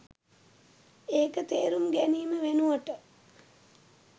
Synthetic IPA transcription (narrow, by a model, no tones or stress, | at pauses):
eːkət̪eːɾumɡæniːməʋenuʋəʈə